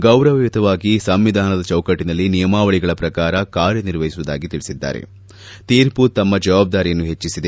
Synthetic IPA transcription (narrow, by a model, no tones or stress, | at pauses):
ɡɐwɾɐʋɐjut̪ɐʋaːɡisɐmʋid̪ʱaːnɐd̪ɐt͡ʃɐwkɐʈːinɐlːinijɐmaːʋɐɭiɡɐɭɐpɾɐkaːɾɐkaːɾjɐniɾʋɐjisuʋud̪a̰ːɡit̪iɭisid̪ːa̰ːɾḛ | t̪iːɾput̪ɐmːɐd͡ʒɐʋaːb̚d̪aːɾijɐnːuɦe̞t͡ʃːisid̪e